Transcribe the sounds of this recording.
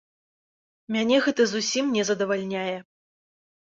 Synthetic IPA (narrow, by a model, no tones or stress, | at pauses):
mʲanʲɛɣɛt̪ɐzusʲimnʲɛzɐd̪ɐvalʲnʲajɛ